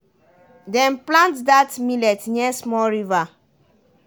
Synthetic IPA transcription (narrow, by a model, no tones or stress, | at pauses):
dɛ̃nplãntdatmilɛtɲɛsmɔɹiva